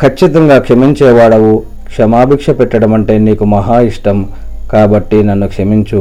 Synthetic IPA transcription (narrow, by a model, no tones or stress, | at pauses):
kʰɐt͡ʃːit̪ɐŋɡaːkʂɐmiɲt͡ʃɛːʋaːɽɐʋu | kʂɐmaːbʱiːkʂɐpɛʈːɐɽɐmɐɳʈe̞ːniːkumɐɦaːiʂʈɐm | kaːbɐʈːinɐnːukʂɐmiɲt͡ʃu